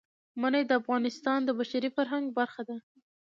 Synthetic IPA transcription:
manajd̪əafɣɑnɪst̪ɑnd̪əbaʃaɾifaɾɦaŋɡbaɾxad̪a

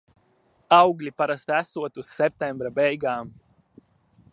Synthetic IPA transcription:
awɡlipaɾɐst̪asuɐt̪usɛp̚t̪ɛmbɾabejɡaːm

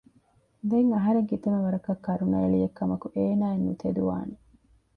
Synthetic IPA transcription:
d̪eŋɐɦɐɾeŋɡit̪emeʋɐɾɐkɐkːɐɾunɐːɭijekːɐmɐkuʔeːnaːenːut̪ʰed̪uʋa̰ːne

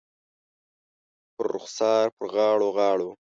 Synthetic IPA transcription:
pəɾːʊ̰xsɑːɾpəɾɣɑːɽoɣɑːɽo

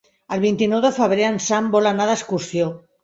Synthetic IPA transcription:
əlβint̪inowðəfəβ̞ɾeansambolanaðaeskuɾsjo

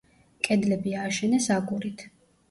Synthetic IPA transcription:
kʼɛd̪lɛbiaːʃɛnɛsakʼuɾit̪ʰ

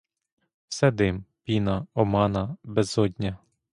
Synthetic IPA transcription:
wsɛd̪ɪmpʲinɐɔmɑnɐbɛzɔdʲnʲɐ

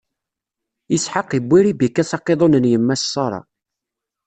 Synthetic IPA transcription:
əsħəqːibʷːiɾibikːæsɑqːeðˤonənjəmːæssˤːɑɾˤɑ̰

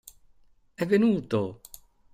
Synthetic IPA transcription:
ɛvːenuːt̪o

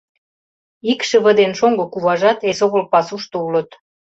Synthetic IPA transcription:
ikʃəβə̆d̪enʃoŋɡokuβɑʒɑt̪esoɣolpɑsuʃt̪oulə̆t̪

